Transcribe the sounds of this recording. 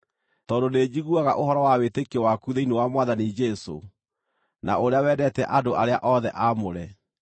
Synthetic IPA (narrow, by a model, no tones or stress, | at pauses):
tɔːdoned͡ʑiɣuaɣaʔoɦɔɾɔwawetekewakuðeinewamwaðanid͡ʒɛso̰ | na̰oɾeawɛdɛtɛʔadoʔaɾea̰ʔɔðɛʔamoɾɛ